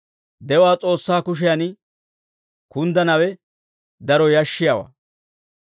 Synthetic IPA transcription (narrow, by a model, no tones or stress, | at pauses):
d̪ɛwaːt͡sʼo̞ːsːaːkʊʃ̬ɛjanɪ | kʊnd̪ɐnɐwɛ | d̪ɐɾɔjɐʃːɪjawa̰ː